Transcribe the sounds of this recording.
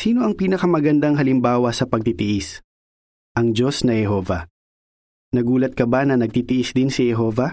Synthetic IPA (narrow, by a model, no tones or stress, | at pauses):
siːnoʔɐŋpiːnɐkɐmɐɡɐnd̪ɐŋɦɐlɪmbaːwɐsɐpɐɡ̚t̪it̪ɪʔɪs | ʔɐŋd͡ʒo̞snɐhɛɦo̞ːvɐ | nɐɡuːlɐt̪̚kɐbanɐnɐɡ̚t̪iːt̪ɪʔɪsd̪ɪnsɪhɛɦo̞ːvɐ